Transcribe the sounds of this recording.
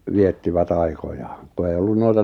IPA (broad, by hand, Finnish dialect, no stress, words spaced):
ʋietːiʋæt ɑikojɑːŋ̆ ku ei olːun noitɑ